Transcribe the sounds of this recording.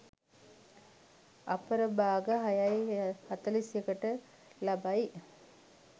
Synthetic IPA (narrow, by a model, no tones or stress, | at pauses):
apəɾəbaːɡəɦajajhat̪əlisjəkəʈə | labaj